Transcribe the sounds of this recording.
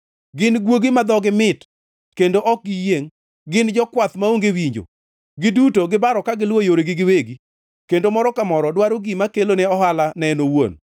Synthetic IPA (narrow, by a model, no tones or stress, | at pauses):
ɡɪnɡwoɡimad̪ɔɡɪmɪt | kendoʔɔk̚ɡɪjeŋ | ɡɪnd͡ʒɔkwat̪maoŋɡewiɲd͡ʒo̰ | ɡɪdutoɡɪbaɾɔkaɡɪlwojoɾeɡɪɡɪweɡi | kendomɔɾɔkamɔɾɔdwaɾoɡimakeloneɔɦalanɛnowo̰n